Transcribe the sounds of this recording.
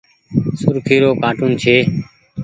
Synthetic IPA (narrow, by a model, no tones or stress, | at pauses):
sʊɾkʰiːɾoːkaːʈuːnt͡ʃʰeː